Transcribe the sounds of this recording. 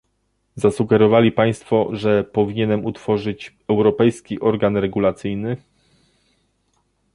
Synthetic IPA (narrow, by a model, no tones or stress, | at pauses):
zasuɡɛɾɔvalʲipaj̃st̪fɔʐɛpɔvʲiɲɛnɛmut̪fɔʐɘt͡ɕ | ɛwɾɔpɛjskʲiʔɔɾɡanɾɛɡulat̪sɘjnɘ